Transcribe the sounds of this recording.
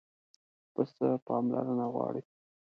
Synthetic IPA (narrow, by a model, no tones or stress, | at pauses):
pəst̪əpɑmlaɾənaɣwɑɽi